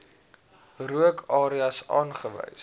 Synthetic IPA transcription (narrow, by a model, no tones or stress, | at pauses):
ruəkʰɑːɾiɐsɑ̰ːnχəvə̰js